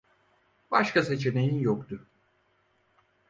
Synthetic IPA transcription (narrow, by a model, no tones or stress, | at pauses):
baʃkase̞t͡ʃʰe̞ne̞jinjokt̪ʊ